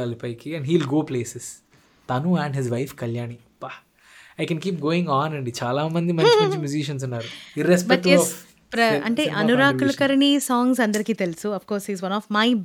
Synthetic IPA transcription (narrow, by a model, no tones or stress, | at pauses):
aːlipɐjkiɛ̃ɳɖɦiːlɡoːpleːses | t̪ɐnuɛ̃ːɳɖɦɪzʋɐjfkɐljaːni | pa | ajkɛnkiːp̚ɡoːĩŋɡaːnɐɳɖit͡ʃaːlaːmɐnd̪imɐnt͡ʃmɐnt͡ʃimjuziʃ̬ɐns̬unːaːɾuiɾesbɛɐkʈjlɔs | pɾɐɐ̰ɳʈeːʔʔɐnuɾaːkulɐkɐɾɐnisaːŋs̬ɐnd̪ɐɾikiːt̪e̞lusuɐfkɔːɾshiːzʋɐnɔːʋmɐj